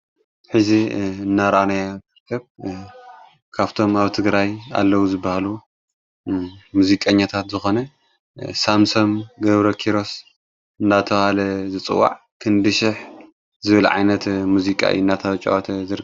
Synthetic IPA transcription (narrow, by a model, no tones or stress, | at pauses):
ħɨziɨnːaɾʔanajakɨɾkʰɐβ | kʰaβt̪ʰo̞maβt̪ʰɨɡɾaja̰lːɐwuzɨbːahalu | muzikʼɐɲːat̪ʰat̪zɨxo̞nɐ | samsomɡɐβɾɐkʰiɾo̞s | ɨnd̪at̪ʰɐβhalɐzɨt͡sʼɨ̰wːa̰ʕ | kʰɨnd̪ɨʃɪħ | zɨβɨlʕa̰jnɐt̪muzikʼa̰ʔjḭnat̪ʰɐβɐt͡ʃʼɐ̰ʔɐt̪ʰɐzɨɾk